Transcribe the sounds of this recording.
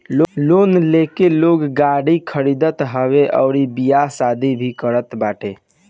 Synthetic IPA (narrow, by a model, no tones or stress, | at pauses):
llonlekeloɡɡaɽikʰəɾid̪ət̪ɦəbeʔə̰ʊɾibijasad̪ʱibʱikəɾət̪baʈe